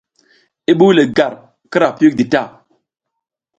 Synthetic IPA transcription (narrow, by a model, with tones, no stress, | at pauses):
i˦ɓu˦le˨ɡa˨ɾ | kɨ˦ɾa˨pi˦k̚di˨ta˦˨